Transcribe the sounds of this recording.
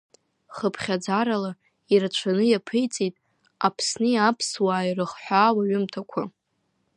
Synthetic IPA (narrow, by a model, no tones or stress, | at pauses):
χəpʰχʲad͡zaɾala | irat͡ʃʷʰanɨjapʰɨjt͡sʼitʼ | apʰsnɨjapʰswaːjrɨχħʷaːwaɥʊmtʰakʷʰa